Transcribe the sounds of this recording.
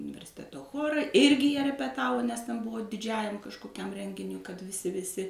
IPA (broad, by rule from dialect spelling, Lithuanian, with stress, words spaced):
ʊnʲɪʋʲɛrʲsʲɪˈtʲæːtoː ˈxoːrɐ ˈɪrʲɡʲɪ jiɛ rʲɛpʲɛˈtɑːʋoː nʲɛs tʲɛn ˈbʊʋoː dʲɪˈd͡ʒʲæːjɛm kɐʃkoːˈkʲɛm ˈrʲɛŋʲɡʲɪnʲʊɪ kɐt ʋʲɪˈsʲɪ ʋʲɪˈsʲɪ